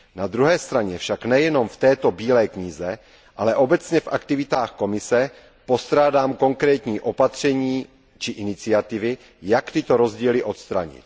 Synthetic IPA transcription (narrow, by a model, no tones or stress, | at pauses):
nad̪ɾuɦɛːst̪ɾaɲɛfʃaknɛjɛno̞mft̪ɛːt̪o̞biːlɛːkɲɪzɛ | ʔalɛʔo̞bɛt͡sɲɛfʔa̰kt̪ɪvɪt̪aːxko̞mɪsɛ | po̞st̪ɾaːdaːmko̞ŋkɾɛːt̪ɲiːʔo̞pat̪r̝̥ɛɲiː | t͡ʃɪʔɪnɪt͡sɪat̪ɪvɪ | jakt̪ɪt̪oɾo̞zɟiːlɪʔo̞t̪st̪ɾaɲɪ̰t̪